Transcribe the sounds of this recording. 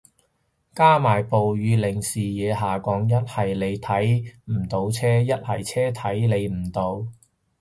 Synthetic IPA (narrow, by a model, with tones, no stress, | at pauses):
kaː˥maː˨˩jpo˨wjyː˨˧lɪ˨˩ŋsiː˨jɛː˨˧ɦaː˨kɔː˨˥ŋjɐ˥t̚hɐ˨jle˨˧jt̪ʰɐ˨˥jm̩˨˩t̪o˨˧wt͡sʰɛː˥jɐ˥t̚hɐ̰˨˩jt͡sʰɛː˥t̪ʰɐ˨˥jle˨˧jm̩˨˩t̪o˨˧w